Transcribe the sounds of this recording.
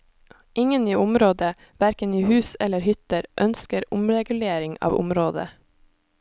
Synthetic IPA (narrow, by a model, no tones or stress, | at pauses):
ʔɪŋəniːʊmɾoːd̪ə | ʋæɾkəniːhʉːsɛləɾhʏt̪əɾʔœnskəɾʊmɾɛɡʉleːɾɪŋɑ̰ːʋʊ̰mɾoːd̪ə̰